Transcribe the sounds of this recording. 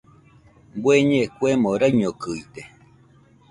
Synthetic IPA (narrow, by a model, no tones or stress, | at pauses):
bweɲẽkwemoɾaɲokɨit̪e